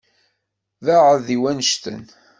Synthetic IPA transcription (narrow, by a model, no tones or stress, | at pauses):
ðaʕəðiwænəʃt̪ə̰n